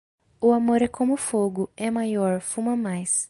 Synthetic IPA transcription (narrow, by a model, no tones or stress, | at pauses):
ʊamoɾɛkʰõmʊfoɡʊɛmajɔɾfumɐmajs